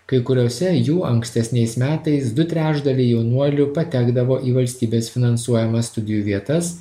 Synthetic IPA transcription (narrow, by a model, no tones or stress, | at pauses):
kɐɪkʊɾʲoːsʲɛjuːʔɐŋksʲt̪ʲɛsʲnʲɛɪsmʲæːt̪ɐɪsd̪ʊt̪ʲɾʲæːʒd̪ɐlʲɛɪjɛʊnuɔlʲʊpɐt̪ʲæːɡd̪ɐʋoːʔiːʋɐlʲsʲt̪ʲiːbʲeːsfʲɪnɐnsuɔjɛmɐsst̪ʊd̪ʲɪjuːʋʲiɛt̪ɐs